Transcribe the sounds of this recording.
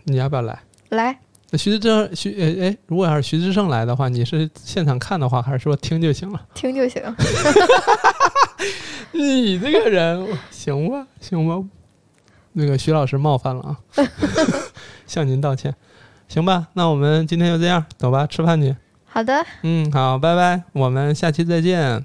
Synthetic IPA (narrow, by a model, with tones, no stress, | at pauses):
ni˨˩jpjɑ˥˩la̰˧˥ɪ | la˧˥ɪ | na˥˩ɕy˧˥ɻ̩˥ʈ͡ʂɕy˧˥e˥˩ɪe˥˩ɪɻu˧˥kwɔ˨˩˧y˧˥ʈ͡ʂɻ̩˥ʂ̬ɤ˥˧ŋla˧˥ɪd̪ə˧xwa˥˩ni˨˩ʂɻ̩˥˧ɕjɛ˥˩nʈ͡ʂʰɑ˨˩ŋkʰa˥˩nd̪ə˩xwa˥˩xa˧˥ʂɻ̩˥˧wɔ˥˧˩t̪ʰi˥ŋt͡ɕ̪jo˥˩ʊɕi˧˥ŋlə˦t̪ʰi˥ŋt͡ɕ̪jo˥˧ʊɕḭ˧˥ŋ | ni˨˩ʈ͡ʂɤ˥˩ɡə˩ɻə˧˥n˨ɕi˧˥ŋbɐ˧ɕi˧˥ŋbə˧ | na˥˩ɡə˩ɕy˧˥lɑ˨˩ʊʂɻ̩˥˧mɑ˥˧ʊfa˥˩nlə̰˩ʔ | ɕjɑ˥˩ŋni˧˥nt̪̬ɑ˥˧ʊt͡ɕʰjɛ˥˩n | ɕi˧˥ŋbɐ˧na˥˩wɔ˨˩mə˦nt͡ɕi˥nt̪ʰjjo˥˧ʊʈ͡ʂɤ˥˧jɑ˥˩t̪ʊ˨˩ŋbɐ˧ʈ͡ʂʰɻ̩˥pʰa˥˩ni˨˩˥ | xɑ˨˩ʊd̪ə˧n̩˥˩xɑ˨˩˦ʊp̬a˥˧ɪpa˥˧ɪwɔ˨˩mə˦nɕja˥˧t͡ɕʰi˥˧t͡sa˥˧ɪt͡ɕjɛ˥˩n